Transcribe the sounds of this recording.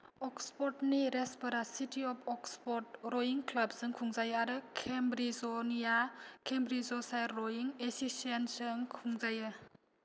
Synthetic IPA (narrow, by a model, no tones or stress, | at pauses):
ɔkspɔɾtniɾespɐɾasitiɔpʰɔkspɔt̚ɾɔjiŋklɐb̚sɯŋkʰuŋzajaɾɯkʰembɾizɔnijakʰembɾizɔsajɾɾojiŋesisensɯŋkʰuŋzajɯ